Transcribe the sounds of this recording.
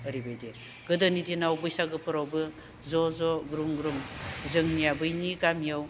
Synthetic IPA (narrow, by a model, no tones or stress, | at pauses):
əɾibajde | ɡ̥ɯdɯnidinawbɯjsaɡɯpʰɯɾawbɯ | zɔzɔɡɾumɡɾumzɯŋnijabɯjniɡamijaw